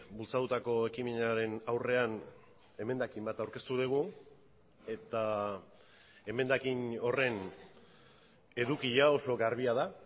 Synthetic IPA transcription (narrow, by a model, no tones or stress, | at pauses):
bult͡sat̪ut̪ako̞e̞kimenaɾe̞nawre̞an | e̞me̞nd̪akimbat̪awɾke̞st̪uð̞iɣ̞u | e̞t̪a | e̞me̞nd̪akino̞re̞n | e̞ðukiʎao̞so̞ɣaɾβiaða